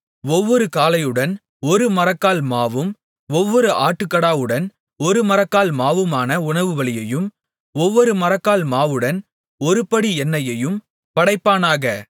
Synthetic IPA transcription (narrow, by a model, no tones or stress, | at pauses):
ɔʋːɔɾɯkaːlɐjɯɽɐn | ɔɾɯmɐɾɐkːaːlmaːʋɯm | ɔʋːɔɾɯʔaːʈːɯkːɐɽaːʋɯɽɐn | ɔɾɯmɐɾɐkːaːlmaːʋɯmaːnɐʊɳɐʋɯʋɐɭɪjɐjɯm | ɔʋːɔɾɯmɐɾɐkːaːlmaːʋɯɽɐn | ɔɾɯpɐɽiɛnːɐjɐjɯm | pɐɽɐɪpːaːnaːɣɐ